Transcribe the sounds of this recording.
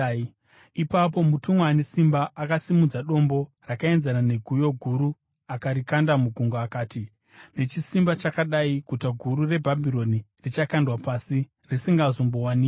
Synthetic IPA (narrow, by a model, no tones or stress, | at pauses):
ipap̬o̞mutumwanesimbaʔakasimud͡zaɗo̞mbo̞ | rakae̞nzanane̞ɡʱujo̞ɡʱuɾu | akaɾikandamuɡʱuŋɡaːkaːti | ne̞t͡ʃisimbat͡ʃakaɗaikutaɡʱuɾure̞bʱabʱiɾo̞nirit͡ʃakandwapasi | risiŋɡazo̞mbo̞waniːk